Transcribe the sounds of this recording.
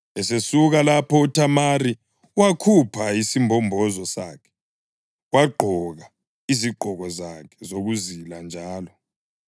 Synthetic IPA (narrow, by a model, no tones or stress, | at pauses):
ɛsesuɣalapʰɔutʰamari | wakʰupʰaisimbʱɔmbʱɔzɔsaːkʰɛ̥ | waɡ͡ǃʱɔɣa | iziɡ͡ǃʱɔɣɔzakʰɛ̥zoɣuziland͡ʒʱaːlɔ